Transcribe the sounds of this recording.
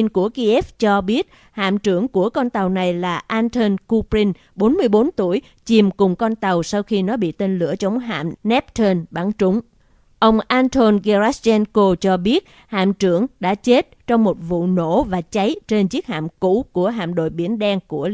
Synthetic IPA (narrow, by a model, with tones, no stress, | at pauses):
nku˧˩əki˧ʔɛ˦˥ft͡ɕɔ˧ɓi˦˥ət̚ | ha̰ː˧˨mt͡ɕɨ˧˩əŋku˧˩əkɔ˧nt̪a˨˩wna˨˩jlaː˨˩ʔaː˧nt̪ʰə˧nku˧pɾi˧n | ɓo˨˦nmɨ˧əjɓo˨˦nt̪u˧˩əj | t͡ɕi˨˩mkʊ˨˩ŋ͡mkɔ˧nt̪a˨˩wsa˧wxi˧nɔ˨˦ɓḭ˧˨t̪e˧nlɨ̰˧˨ət͡ɕə˨˦wŋ͡mɦa̰ː˧˨mnɛ˦˥p̚t̪ʰə˧nɓa˧˩ŋt͡ɕʊ˨˦ŋ͡m | ʔə˧wŋ͡mʔaː˧nt̪ʰo˧nɣɛ˧ɾa˦˥st͡ɕɛ˧nko˧t͡ɕɔ˧ɓi˦˥ət̚ | ha̰ː˧˨mt͡ɕɨ˧˩əŋɗa̰ː˧˥t͡ɕe˦˥t̚t͡ɕɔ˧wŋ͡mmo˨˩t̚vṵ˧˨no̰˧˥vaː˨˩t͡ɕa˨˦jt͡ɕe˧nt͡ɕi˦˥ək̚ha̰ː˧˨mkṵ˧˥ku˧˩əɦa̰ː˧˨mɗo̰˧˨jɓi˧˩ənɗɛ˧ŋku˧˩ə